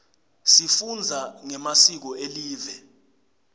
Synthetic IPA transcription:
sifund͡zʱaŋɛmasik̬ɔeliːvɛ

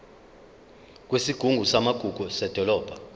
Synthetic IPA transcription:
k̬wesiɡ̥ʱuŋɡʱusamaɡ̥ʱuɡ̥ʱusɛd̥ʱɔlɔːb̥ʱa

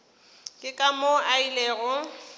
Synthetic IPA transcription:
kʼɪkʼamoaileːɣʊ

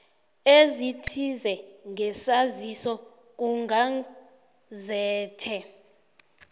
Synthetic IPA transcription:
ezitʰizɛŋʱɛsazisɔ | k̬uŋɡʱa | zɛːtʰɛ

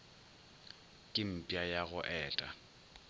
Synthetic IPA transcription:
kʼɪm̩pʼjajaɣʊʔɛːtʼa̰

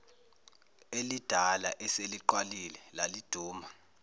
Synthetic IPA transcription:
elid̥ʱalaʔɛseliǃwalilɛlalid̥ʱuːma

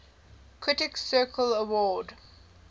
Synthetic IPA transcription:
kʰɹɪtɪksɜːˑkʰələwɔːd

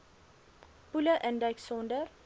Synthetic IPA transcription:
puləʔə̃ndajksɔ̃ndəɾ

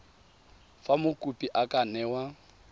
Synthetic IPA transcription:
famʊkʼupʼiʔakʼanɛːwa

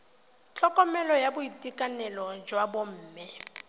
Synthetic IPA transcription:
t͡ɬʰʼɔkʼɔmɛlɔjabʊitʼikʼanɛlɔd͡ʒwabom̩ːmɪ

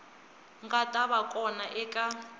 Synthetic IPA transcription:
ŋɡatʼaβakʼɔnaʔɛkʼa

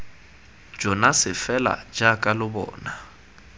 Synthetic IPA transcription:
d͡ʒɔnasɪfɛla̰d͡ʒakʼalʊbɔ̰ːna

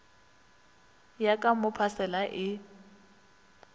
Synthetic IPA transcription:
jakʼamʊpʰasɛlaʔɪ

